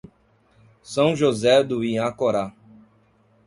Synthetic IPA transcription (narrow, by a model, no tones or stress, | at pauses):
sɐ̃w̃ʒozɛd̪ʊĩakoɾa